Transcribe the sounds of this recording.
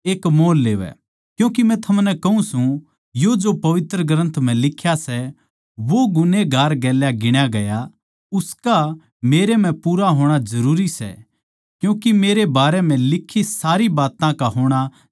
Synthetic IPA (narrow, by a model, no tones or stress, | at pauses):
eːkmoːlːeːʋɛ̰ | kjũːkimɛ̃t̪ʰɐmnɛkɐũsũ | jod͡ʒopɐʋɪt̪ɾəɡɾə̃nt̪ʰm̤ɛ̃lɪkʰːjasɛ | ʋoɡʊneɡʱaːɾɡɛːljaɡɪɽ̃jaɡɐja | ʊska | meːɾem̤ɛ̃puːɾaɦoːɽ̃ad͡ʒɐɾuːɾisɛ̰ | kjũːkimeːɾebaːɾɛm̤ɛ̃lɪkʰːisaːɾibaːt̪ãkaɦoːɽ̃a